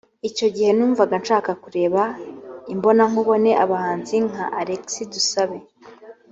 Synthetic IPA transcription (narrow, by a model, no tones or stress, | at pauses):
ico̞ɟihe̞nuːɱvaɡanʃaːkakuɾe̞ːβaimbo̞naŋuβo̞ne̞ʔaβahaːnziŋ̥aʔaɾeksidusaβe̞